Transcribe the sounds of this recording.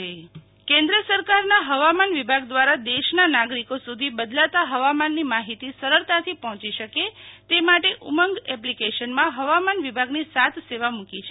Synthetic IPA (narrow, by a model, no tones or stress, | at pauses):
kẽnd̪ɾəsəɾkaɾnaɦəʋamanʋibʱaɡ̚d̪ʋaɾad̪eʃnanaɡɾikosud̪ʱibəd̪lat̪aɦəʋamanːimaɦit̪isəɾəɭt̪at̪ʰipɔɦɔ̃t͡ʃiʃəket̪emaʈeʔuməŋɡɛplikeʃənmãɦəʋamanʋibʱaɡnisat̪ʰseʋamukit͡ʃʰe